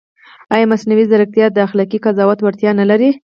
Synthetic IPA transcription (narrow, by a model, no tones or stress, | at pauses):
ɑjɑmasnawizaɾək̚t̪jɑd̪əaxlɑkikazɑwat̪waɾt̪jɑnalaɾi